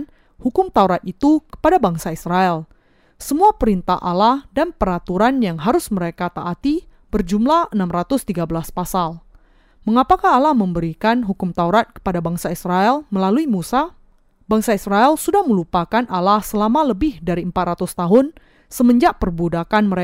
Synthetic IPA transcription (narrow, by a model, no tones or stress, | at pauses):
n | hukʊmt̪auɾat̪̚it̪ukə̥padabaŋsaisraɛl | səmuapəɾint̪a̰hʔa̰lahdanpəɾat̪uɾanjaŋɦaɾʊsməɾekat̪aʔat̪i | bərd͡ʒumlahənamɾat̪ʊst̪iɡabəlaspasal | məŋapakaɦːlahməmbəɾikanɦukʊmt̪auɾat̪̚kə̥padabaŋsaisraɛlməlaluimusa | baŋsaisraɛlsudahməlupakanalahsəlamaləbɪhdaɾiəmpat̪̚rat̪ʊst̪aɦʊn | səməɲd͡ʒaʔpərbudakanməɾe